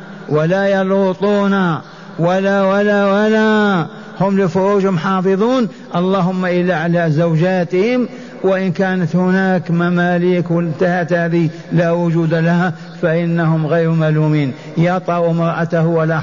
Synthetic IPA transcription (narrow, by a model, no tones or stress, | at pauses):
walajɑluːt̪ˤuːna | walawalawala | hʊmlɪfʊɾuːʒhʊmħɑːfɨðˤuːn | ʔɑlˤːɑːɦʊmːaʔɪlːaʕalazawd͡ʒaːt̪ɪhɪm | wɪʔɪnkaːnat̪hʊnaːkmamaːliːkwɪɪnt̪ahat̪haːði | laːwʊd͡ʒuːd̪alaha | faʔɪnːahʊmɣejɾmaluːmiːn | jɑt̪ˤɑʔumɑɾˤʔat̪ahwala